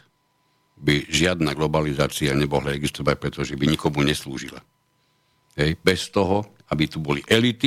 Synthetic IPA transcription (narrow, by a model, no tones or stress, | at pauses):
biʒɪad̪naːɡlɔbalizaːt͡siaɲɛbɔɦlaɛɡist̪ɔʋac̚pɾɛt̪ɔʒɛbiɲikɔmuɲɛslṵːʒila̰ | ɦɛjbɛst̪ɔɦɔ | abit̪ubɔliʔɛlit̪i